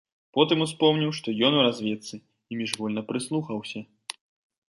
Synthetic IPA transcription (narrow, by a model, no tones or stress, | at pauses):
pɔt̪ɨmuspɔmnʲiwʂt̪ɔjɔnuɾazʲvʲɛt̪sɨ | imʲiʐɣɔlʲnɐpɾɨslˠuxɐwsʲɐ